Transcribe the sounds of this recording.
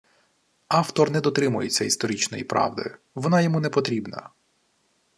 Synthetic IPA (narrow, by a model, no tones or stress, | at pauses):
ɑwt̪ɔrnɛd̪ɔt̪ɾɪmʊjet͡sʲːɐist̪ɔɾʲit͡ʃnɔjipɾɑ̰wd̪ɔ̰jʊ | ʋɔnɑjɔmunɛpɔt̪ɾʲibnɐ̰